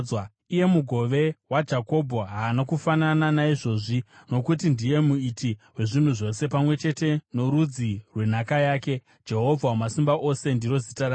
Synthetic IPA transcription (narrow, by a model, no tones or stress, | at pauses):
a | ije̞muɡʱo̞ʋe̞wad͡ʒako̞bʱoɦaːnakufanananaiʐo̞ʐino̞kutindije̞muitiwe̞ʐin̤uʐo̞se̞pamwe̞t͡ʃe̞te̞no̞ɾud͡zirwe̞n̤akajaːke̞ | d͡ʒe̞ɦo̞vʱawamasimbaʔo̞se̞ndiɾo̞zitaɾa